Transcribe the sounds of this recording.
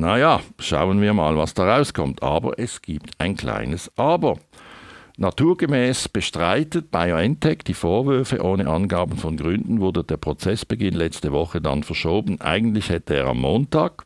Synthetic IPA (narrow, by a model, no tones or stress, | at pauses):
najaːʃa̰ʊənviːɐma̰ːlvɑsd̥ɑːʁaʊskʰɔmtʰʔɑːbɐ̰ʔɛsɡ̥iːptʰaɪnkʰl̥a̰ɪnəsʔɑːbə | nɑtʰuːɐɡ̥əmɛːsb̥əʃtʁaɪtət̚b̥aɪoɛntʰɛkd̥iːfoːɐvʏɐfəʔoːnəʔɑnɡaːbn̩fɔnɡʁʏndn̩vʊɐdəd̥eːɐpʰʁ̥ot͡sɛsb̥əɡɪnlɛt͡stəvɔχədɑ̰nfɛɐʃoːbn̩ʔa̰ɪɡn̩tlɪçhɛtəeːʁɑ̰mːoːntaːɡ̥